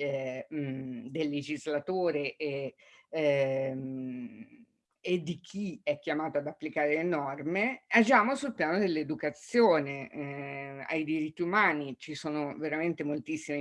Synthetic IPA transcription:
ɛ | d̪elːed͡ʒizlat̪oːɾeʔe | ed̪ik̟ʰiɛkːjamaːt̪oad̪apːlikaːɾelenɔrmead͡ʒaːmosulpjaːnod̪elːed̪ukat̪sːjoːne | a̰jd̪iɾit̪ːiumaːnit͡ʃisoːnoveɾament̪emolt̪isːime

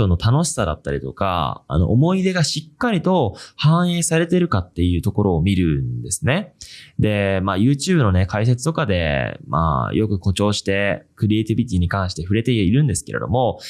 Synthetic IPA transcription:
onːo̞t̪ano̞ɕi̥sad̪a̰t̪ːaɾʲit̪oka̰a̰no̞̰ʔomo̞id̪e̞ɡaɕikːaɾʲit̪o̞hãɰ̃eːsaɾe̞t̪e̞ɾɯ̟kat̪ːe̞jɯ̟ːt̪o̞ko̞ɾo̞ːmʲiɾɯ̟nd̪e̞sɨne̞d̪e̞maːjɯ̟ːt͡ɕɨːbɯno̞ne̞kʰais̬e̞t͡sɨ̥t̪o̞kad̪e̞̰mʔa̰jo̞kɯ̟ko̞t͡ɕo̞ːɕi̥t̪e̞kɯ̟ɾʲiet̪ʲibʲit̪ʲiɲ̟ikãɰ̃ɕi̥t̪e̞ɸɯ̟ɾe̞t̪e̞iɾɯ̟̃nd̪e̞sɨ̥ke̞ɾʔe̞̰d̪o̞̰mo̞

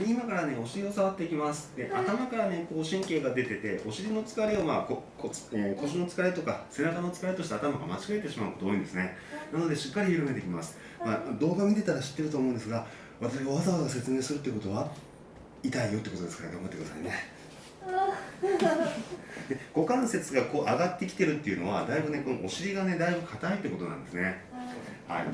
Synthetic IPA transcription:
imakaɾane̞o̞ɕiɾʲio̞saβat̪ːe̞ikʲimasɨ̥d̪̥e̞ʔat̪amakaɾane̞koːɕĩŋke̞ːɡad̪e̞t̪e̞t̪e̞ʔo̞ɕiɾʲino̞t͡sɨ̥kaɾeo̞maːkokʰekʰo̞ɕono̞t͡sɨ̥kaɾet̪o̞kase̞nakano̞t͡sɨ̥kaɾet̪o̞ɕi̥t̪aːt̪amaɡamat͡ɕi̥ɡaet̪ːe̞ɕimaɯ̟kot̪oːjĩ̟nd̪e̞sɨne̞ | nano̞d̪e̞ɕi̥kːaɾʲiçiɾɯ̟me̞t̪eikʲimasɨ̥ | mad̪o̞ːɡamʲit̪e̞t̪aɾaɕi̥t̪ːe̞ɾɯoːmo̞ɯ̃nd̪esɨɡa | βat̪aɕiɡaβazaβazaɡase̞t͡sɨme̞ːsɨɾɯ̟t̪ːekot̪o̞βa | it̪aijo̞t̪ːeekot̪od̪esɨ̥kaɾneɡãmŋɡat̪ːekd̪asa̰ine̞ | d̪e̞ɡ̥o̞kãɰ̃se̞t͡sɨɡako̞ːʔaɡat̪ːe̞kʲi̥t̪eɾɯ̟t̪ːe̞iɯ̟no̞βa̰d̪aibɯ̟ne̞ko̞no̰ʔoɕiɾʲiɡane̞d̪aibɯ̟kʰat̪ait̪ːeko̞t̪o̞nã̰nd̪esɨne̞ | ha̰ḭ

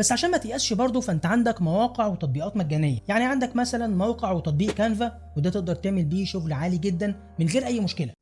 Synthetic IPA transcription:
bæsːʕaʃæːnmæt̪eʔæsʃbɑɾˤd̪ˤofæʔent̪æʕand̪ækmæwɑːqeʕwet̪ɑt̪̚ˤbiːʔɑːt̪mæɡːæːnejːæjaʕniʕand̪ækmæsælænmæwqeʕwet̪ɑt̪̚ˤbiːʔkænvæ | wed̪æːt̪eʔ̚d̪ɑɾˤt̪eʕmelbiːʃoɣlʕaːliɡed̪ːæn | menɣeːɾʔæjːmoʃkelæ

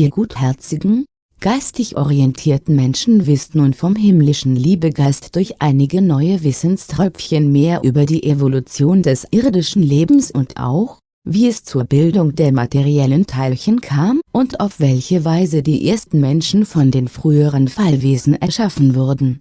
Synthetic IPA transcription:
ʔiːɐɡuːthɛɐt͡sɪɡŋ̩ | ɡ̥aɪstɪçʔɔ̰ʁiɛntʰiːɐtn̩mɛnʃn̩vɪstnuːnfɔmɦɪmlɪʃn̩liːbəɡaɪstd̥ʊɐçʔaɪnɪɡənɔʏəvɪsnstʁ̥œpp͡fçənmeːɐʔyːbɐdiːʔevolut͡sjoːndɛsʔɪɐdɪʃn̩leːbm̩sʊntʔa̰ʊx | viːɛst͡suːɐbɪldʊŋd̥eːɐmatʰeʁiɛləntʰaɪçənkʰaːmʔʊnta̰ʊfv̥ɛlçəvaɪzədiːʔeːɐstn̩mɛnʃn̩fɔndeːmfʁ̥yːəʁənfalveːzn̩ʔɛɐʃafn̩vʊɐdn̩

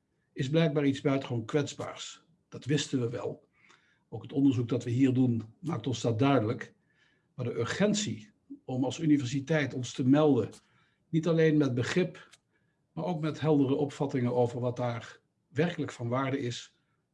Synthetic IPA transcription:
ɪzblɛjk̚baːɹitzbœɥtə̥χonkʋɛdzba̰ːɹs | d̥ɑtʋɪstənʋəʋɛ̰lˠ | owkɦətɔndəɹzuk̚dɑtʋəɦiːɹdunmaːk̚tɔnzdɑt̚dœɥdələk | maːdəʔøɹχɛntsi | ɔmɑlˠsynivɛɹs̬itɛjtɔnstəmɛlˠdə | nitɑlejnmɛd̚bəχrɪp | maːɹowkmɛtɦɛlˠdərəʔɔpfɑtɪŋənowvəɹʋɑt̚daːɹ | ʋɛrkələkfɑnʋaːɹdəɪs

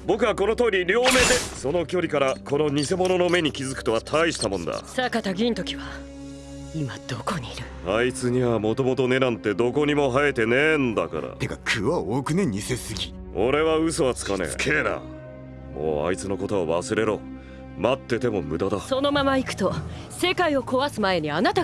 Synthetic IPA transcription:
bo̞kɯ̟βako̞no̞t̪o̞ːɾʲiɾʲo̞ːme̞d̪e̞so̞no̞kʲo̞ɾʲikaɾako̞no̞ɲ̟ise̞mo̞no̞no̞me̞ɲ̟ikʲizɨkɯ̥t̪o̞βat̪ʰaiɕi̥t̪amõ̞nd̪a̰sakat̪aɡʲĩːnt̪o̞kʲiβa | imad̪̥okoɲiːɾɯ̟ | ait͡sɨɲ̟iβamo̞t̪o̞mo̞t̪o̞ne̞ɾãnt̪e̞d̪o̞ko̞ɲ̟imo̞ɦaet̪e̞nend̪aka̰ɾa̰t̪e̞ɡakʰɯβaoːkɯ̟neɲ̟ise̞sɨɡʲi | o̞̰ɾe̞βaɯ̟so̞βat͡sɨ̥kanḛ̥kʰeːna̰ | mo̞̰ːa̰it͡sɨno̞kot̪o̞βaβasɨɾe̞ɾo̞ | mat̪ːe̞t̪e̞mo̞mɯ̟d̪ad̪aso̞no̞mamaikɯ̥t̪o̞ | se̞kaio̞ko̞βasɨmae̞ɲ̟ianat̪a

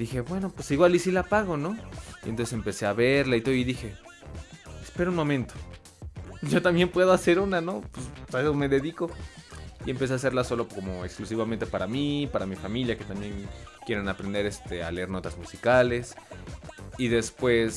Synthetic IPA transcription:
ðixe̞bwe̞no̞pwesiɣwalisilapaɣo̞no̞iḛnt̪onsesempe̞se̞aβeɾlait̪oðoiðixe̞ | espe̞ɾounmõ̞mẽnt̪o̞̥ | ɟ͡ʝo̞t̪ambje̞mpwe̞ðoase̞ɾunano̞pesesome̞ðe̞ðiko̞ | ie̞mpe̞s̬e̞ase̞ɾlaso̞lo̞ko̞mo̞eksklus̬iβament̪e̞paɾamipaɾamifamiljake̞t̪ambje̞nkje̞ɾenapɾend̪e̞ɾe̞st̪e̞a̰le̞eɾno̞t̪azmusikale̞s | iðe̞spwe̞s

